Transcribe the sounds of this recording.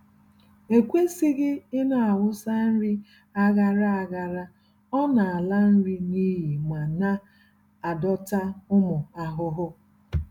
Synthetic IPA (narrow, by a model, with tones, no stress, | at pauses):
e˨kʷe˦si˦ɡɪ˦ɪ˦na˨a˨wʊ˦sa˦n̩˦ɾi˦ | a˦ɣa˦ɾa˦a˨ɣa˨ɾa˦ | ɔ˦na˨a˨la˦n̩˦ɾi˦ni˦ɦi˨ma˨na˦ | a˨dɔ˦ta˦ʊ˦mʊ˨a˨ɦʊ˦ɦʊ˦